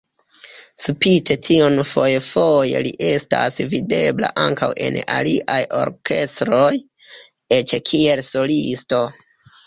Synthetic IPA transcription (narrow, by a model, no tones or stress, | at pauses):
supitʰe̞tʰionfo̞jefojḛliʔe̞stasvide̞bla̰ʔaŋkawʔe̞̰naliʔajo̞̰ɾkʰe̞stɾo̞j | et͡ʃkʰie̞lso̞listo̞